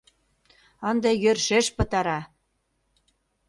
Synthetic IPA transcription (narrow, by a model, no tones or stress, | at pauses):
ənd̪ejørʃeʃpɤ̆t̪ɑɾɑ